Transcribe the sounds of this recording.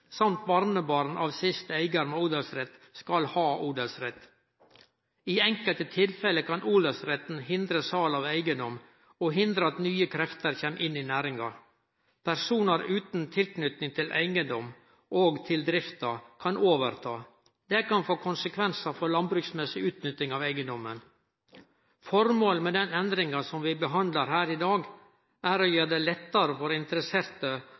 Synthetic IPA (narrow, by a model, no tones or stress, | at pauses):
sɑmt̪̚bɑɾnəbɑɾn̩ʔɑːʋsɪst̪əæɪɡəɾmɛuːd̪ɛlsɾɛt̪skɑlhɑːʔuːd̪əlsɾɛt̪ː | iːɛŋkəlt̪ət̪ʰɪlfɛləkʰɑnʔuːd̪əlsɾɛt̪n̩hɪnd̪ɾəsɑlɑːʋæɪɡənd̪ɔm | oːɦɪnd̪ɾəɑt̪nyːəkʰɾɛft̪əɾçeːmʔɪnːɪnæːɾɪŋɑ | pʰæɾsuːnəɾʉːt̪n̩t̪ʰɪlknʏt̪nɪŋt̪ʰɪlʔæ̰ɪɡənd̪ɔm | ʔoːɡt̪ʰɪld̪ɾɪft̪ɑkʰɑnʔoːʋəɾt̪ʰɑː | d̪ɛkɑnfoːkʰʊnsəkʰʋɛnsɑfɔɾlɑnbɾʉːksmɛsɪʉːt̪nʏt̪ːɪŋɑʋæɪɡənd̪ɔmən | fɔɾmoːlmɛd̪ɛnɛnd̪ɾɪŋɑsɔmʋɪbəɦɑnd̪ləɾɦæːɾɪd̪ɑːɡ | æɾɔjøːɖ̪ɛlɛt̪ːɑɾəfɔɾɪnt̪əɾəseːɾt̪ə